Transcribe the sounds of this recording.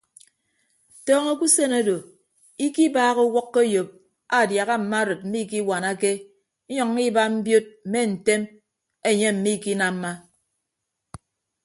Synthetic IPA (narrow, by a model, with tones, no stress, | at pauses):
tɔː˦ŋo˦ku˦se˦na˦do˨ | i˦ki˦baː˦ɣo˦wɔ˦kːe˦jo˨p̚ | a˨dja˨ɣa˦m̩˨ma˦ɾɨ˨t̚m̩˦mi˦ki˦wa˨na˦ke˦ | ɲɔ˨ŋ˦i˦ba˦m̩˦bjo˦t̚m̩˨me˦n̩˨te˦m | e˨ɲe˦m̩˨mi˦˨ki˦na˨m̩˦ma˦